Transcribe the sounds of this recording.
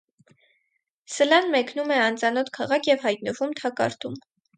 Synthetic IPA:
səlɑnmɛkʰnumɛɑnt͡sɑnɔt̪ʰkʰɑʁɑkʰjɛvhɑjt̪̚nəvumt̪ʰɑkɑ̰ɾt̪ʰum

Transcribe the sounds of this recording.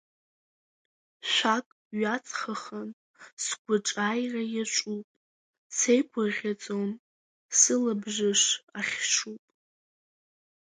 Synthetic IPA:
ʃʷakʼ | ɥat͡sʰʼχaχan | sɡʷʊʈ͡ʂʼajrajat͡ʃʷʼupʼ | sejkʷʰaʁʲat͡sʼon | sɨlabʐɨʂaχʲʂupʼ

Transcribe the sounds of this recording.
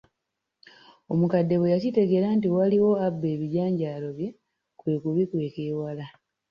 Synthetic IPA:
o̞mukadːe̞wejacite̞ɡe̞ɾantiwaliwo̞abːe̞ːβiɟaːɲɟaːlo̞βje̞ | kwe̞ːkuβikwe̞ːkeːwala

